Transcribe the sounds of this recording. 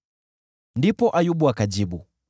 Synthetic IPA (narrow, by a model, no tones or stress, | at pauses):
ndipɔʔajubuakad͡ʒibu